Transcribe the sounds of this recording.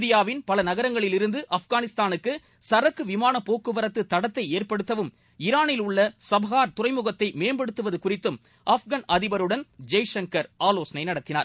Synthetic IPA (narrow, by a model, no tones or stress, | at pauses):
d̪ɪjaːʋɪnpɐlɐnɐɣɐɾɐŋɡɐɭɪlɪɾɯnd̪ɯʔɐfɡaːnɪst̪aːnɯkːɯ | sɐɾɐkːɯʋɪmaːnɐpːoːkːɯʋɐɾɐt̪ːɯt̪ːɐɽɐt̪ːɐɪeːrpɐɽɯt̪ːɐʋɯm | ɪɾaːnɪlʊɭːɐsɐbʱɐɣaːɾt̪ʊrɐɪmʊɣɐt̪ːɐɪmeːnbɐɽɯt̪ːɯʋɐðɯkʊrɪt̪ːɯm | ʔɐfɣɐnɐðɪʋɐɾɯɽɐnd͡ʒɐjʂɐŋkɐɾaːloːsɐnɐɪnɐɽɐt̪ːɪna̰ːɾ